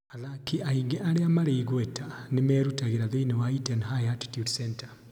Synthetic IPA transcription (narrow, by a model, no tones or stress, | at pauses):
aðakiaiŋɡeʔaɾeamaɾeiɣwɛtanemɛːɾutaɣiɾaðeinewaitɛnɦajati̥tjudsɛnta